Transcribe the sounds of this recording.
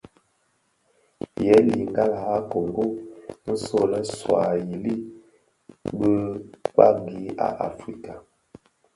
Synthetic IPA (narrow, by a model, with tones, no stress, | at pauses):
jɛ˦li˨ŋɡa˦lha˦ko˨ŋɡo˦nə˦so˦lə˦swa˨ji˨li˦ | bə˦ka̰˦˨ŋ˨ɡi˦a̰˨ʔa̰˨fɾi˦ka˨